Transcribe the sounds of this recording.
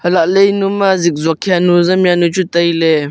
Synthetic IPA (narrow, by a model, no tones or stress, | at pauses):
hɐlaʔlejnumazik̚zɔkʰianuzamjanut͡ʃut̪əjle